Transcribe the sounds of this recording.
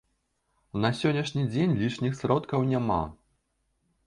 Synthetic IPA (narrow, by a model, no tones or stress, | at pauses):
nɐsʲɔnʲɐʂnʲid͡zʲenʲlʲit͡ʂnʲixsɾɔt̪kɐwnʲama̰